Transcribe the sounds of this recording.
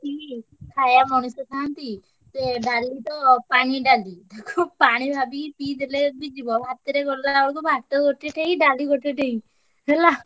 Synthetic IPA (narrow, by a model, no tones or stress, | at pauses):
ʈi | kʰajamɔñusɔk̪ʰant̪i | t̪eɖalit̪ɔpañiɖalid̪ekʰupaɽ̃ibʱabipid̪elebid͡ʒibɔlɦat̪ːeɾekɔɾd̪aaɔɽkubʱaʈ̪ɔɡoʈeʈʰeiɖaliɡoʈʰeʈʰei | ɦɛla